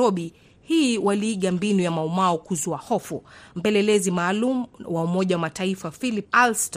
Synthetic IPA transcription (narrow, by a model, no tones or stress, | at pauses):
ɔɓi | hiwaliːɠambinujamaumaɔkuzuahɔfum̩pɛlɛlɛzimaːlumuwaumɔʄawamataifafilip̚alstɔ